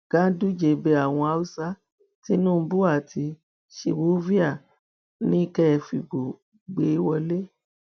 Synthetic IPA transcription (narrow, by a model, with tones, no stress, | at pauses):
ɡ̥ã˦du˦d͡ʒe˨˧˨be˧˦a˦˨w̃ɔ̃˧a˧u˦sa˦ | ti˦nũ˦bu˦a˦˨tʰi˧ | ʃe˧wo˨˦vi˦a˦˨ | nĩ˦kɛ˦ɛ˧˨fi˨ɡ͡bo˨ | ɡ͡be˨˦i˦wɔ˧le˦